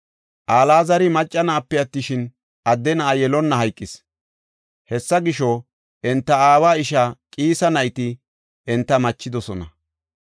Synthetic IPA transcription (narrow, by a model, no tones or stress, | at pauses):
ʔaːlaːzɐɾɪmɐt͡ʃʼːɐnaːpːɛjɐt̪ːɪʃɪn | ʔɐd̪ːɛnɐːjɛlɔnːɐɦɐjkʼːɪs | hɛsːɐɡɪʃɔ | ʔɛnt̪ːɐaːwaːɪʃakʼiːsɐnɐjɪt̪ɪ | ʔɛnt̪ːɐmɐt͡ʃːɪd̪ɔsɔnɐ